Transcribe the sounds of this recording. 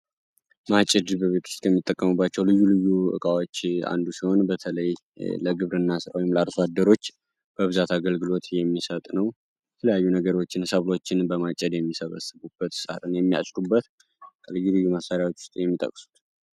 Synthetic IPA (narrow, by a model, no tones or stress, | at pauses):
mat͡ʃʼɛd̪bəβet̪ʰu̥st̪kʰəmːit̪ʼːəkʼːəmubːat͡ʃːɛwlɨjːulɨjːuɨ̰kʼawo̞t͡ʃːa̰nd̪usiho̞nbət̪ʰələj | ləɡɨβɾɨnːasɨɾa̰wojɪmlaɾsad̪ːəɾo̞t͡ʃː | b̥əβɨzat̪ʰaɡəlɡɨlo̞t̪jɛmːisət̪ʼnəw | jɛt̪ʰələjajːunəɡəɾot͡ʃːɪnsəβlo̞t͡ʃːɪnbəmat͡ʃʼɛd̪jɛmːisəβə̰sɨβubːət̪saɾɨnjɛmːija̰t͡ʃʼɾubːət̪ | kʼəlɨjulɨjːumasaɾjawo̞t͡ʃːwʊ̥st̪ʼejɛmːit̪ʼə̰kʼsu̥t̪